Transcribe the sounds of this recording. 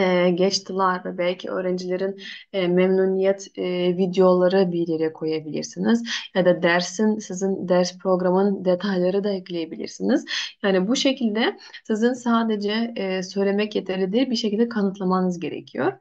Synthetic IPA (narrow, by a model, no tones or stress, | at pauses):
ɛːɟɛt͡ʃt̪ʰilˠaɾvɛbɛlʲcʰiø̞̰ːɾænd͡ʒilʲe̞ɾinː | mɛmnuːnijɛt̪ːvid̪eo̞lˠaɾɯbiɾjeɾijɛkʰo̞jabilʲḭɾsinizjad̪ad̪æɾsinsizind̪æɾspɾo̞ɡɾamɯnd̪e̞t̪ʰajlˠaɾɯd̪aiclʲejebilʲḭɾsinizjaːnibuʃe̞cʰilʲd̪ɛ | sizinsaːd̪e̞d͡ʒɛsø̞jlʲe̞mɛcjet̪ʰeɾlʲid̪iɾbiʃecʰilʲd̪ɛkʰanɯt̪ʰlˠamanɯzɟe̞ɾḛcʰijo̞ɾ̥